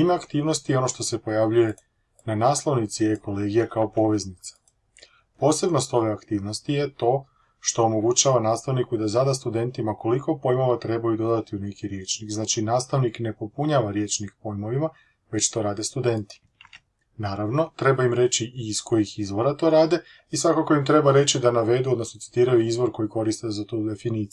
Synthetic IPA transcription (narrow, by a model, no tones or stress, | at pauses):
imeakt̪iːʋno̞st̪ijeo̞no̞ʃt̪o̞se̞po̞jaʋʎuje | nanaːslˠo̞ʋnit̪sijeko̞le̞ːɡijakaopo̞ʋe̞znit̪sḁ | po̞ːse̞bno̞st̪o̞ʋe̞akt̪iːʋnost̪ije̞t̪o̞ː | ʃt̪o̞ːmo̞ɡut͡ɕaʋanaːst̪aʋnikud̪azad̪ast̪ud̪e̞nt̪imako̞liko̞po̞jmo̞ʋat̪ɾe̞bajud̪o̞d̪at̪iune̞kiɾje̞t͡ʃnikznaːt͡ʃinaːst̪aʋnikne̞po̞puɲaʋaɾje̞t͡ʃnikpo̞jmo̞ʋima | ʋe̞t͡ʃt̪o̞ːɾaːd̪e̞st̪ud̪e̞nt̪i̥ | naːɾaʋno̞t̪ɾe̞baimɾe̞t͡ʃiʔiːsko̞jixizʋo̞ɾat̪o̞ːɾaːd̪e̞ | isʋakako̞imt̪ɾe̞baɾe̞t͡ɕid̪anaʋe̞d̪uod̪nosnot̪i̥t̪iːɾajuizʋo̞ɾko̞jiko̞ɾist̪ezat̪ud̪e̞finiːt̪si